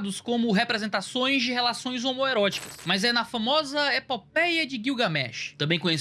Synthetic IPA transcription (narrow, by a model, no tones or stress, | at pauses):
d̪ʊskõmʊɦepɾezẽnt̪asõj̃zd͡ʒɪɦelasõj̃zomoeɾɔt͡ʃi̥kɐsmɐzɛnɐfamɔzɐepopɛjɐd͡ʒɪɡiwɡɐmɛ̰ʃt̪ɐ̃bẽj̃kõjɲes